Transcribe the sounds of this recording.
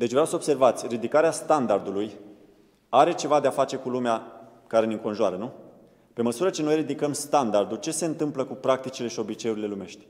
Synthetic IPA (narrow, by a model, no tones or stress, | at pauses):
d̪e̞t͡ʃvɾʲawsəobse̞rvat̪sʲrid̪ikaɾeast̪and̪ard̪uluj | aɾe̞t͡ʃe̞vad̪e̞afat͡ʃe̞kulumea | kaɾe̞niŋko̞nʒuaɾənu | pe̞məsuɾət͡ʃe̞no̞jrid̪ikəmst̪and̪ard̪ult͡ʃe̞se̞ɨnt̪ɨmpləkupɾakt̪it͡ʃile̞ʃio̞bit͡ʃe̞uɾile̞lume̞ʃt̪ʲ